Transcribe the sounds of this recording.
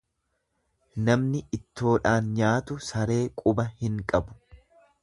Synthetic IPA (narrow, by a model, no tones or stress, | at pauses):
nɐmnɪɪt̪ːo̞ːᶑaːnɲaːt̪ʊsɐɾe̞ːkʼʊbɐhɪŋkʼɐbʊ̥